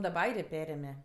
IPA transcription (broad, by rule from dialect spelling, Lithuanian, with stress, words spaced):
dɐˈbɐ ˈɐɪrʲeː ˈpʲæːrʲeːmʲɛ